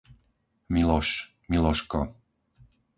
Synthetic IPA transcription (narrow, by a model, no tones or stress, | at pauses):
milɔʃ | milɔʃkɔ